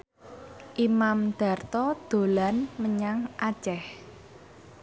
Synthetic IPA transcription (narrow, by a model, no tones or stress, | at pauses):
ʔimamd̪̥a̤rt̪ɔd̪̥o̤lanməɲaŋʔḁt͡ʃɛh